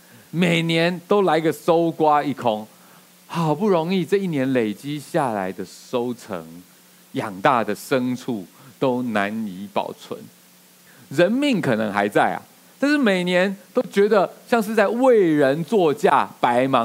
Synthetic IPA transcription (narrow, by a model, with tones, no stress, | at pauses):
me˨˩ɪnjɛ˧˦nt̪o˥ʊla˧˥ɡə˨so˦˥ʊkwa˥i˥˩kʰo˦ŋ | hɑ˨˩ʊpu˥˩ɻo˧˦ŋi˥˧t͡sɤ˥˧i˥˩njɛ˨˦nle˨˩ɪt͡ɕi˦˥ɕja˥˨la̰˧˦ɪd̪ə˨so˥˦ʊt͡sʰə̰˧˦ŋ | jɑ˨˩ŋt̪a˥˩d̪ə˩ʂə˦ŋt͡sʰu˥˩t̪o˦ʊna˧˦ni˧˥pɑ̰˨˩ʊt͡sʰwə̰˧˦n | ɻə˧˦nmi˥˩ŋkʰɤ˨˩nɤ̰˧˦ŋxa̰˧˥ɪt͡sa˥˩ɪɐ̰˩ | t̪a˥˧nʂɻ̩˥˩me˨˩ɪnjɛ˨˧˦nt̪o˥ʊt͡ɕɥɛ˧˥d̪ə˨ɕjɑ˥˧ŋʂ̬ɻ̩˥˧t͡sa˥˧ɪwe˥˩ɪɻə˧˦nt͡swɔ˥˧t͡ɕja˥˨pa˧˦ɪmɑ˧˦ŋ